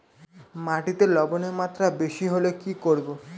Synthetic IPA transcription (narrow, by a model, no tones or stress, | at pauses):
maʈit̪elɔbɔnemat̪ɾabeʃiɦolokikoɽbo